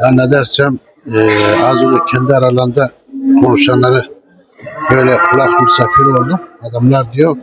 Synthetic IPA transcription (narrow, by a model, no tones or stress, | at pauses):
anɛd̪æɾsɛm | azbkʲʰɛnd̪ɛaɾalˠand̪a | kʰonuʃanlaɾɯ | bøjlɛqʰulˠaqmusafiɾolˠd̪uad̪amlˠaɾd̪ajok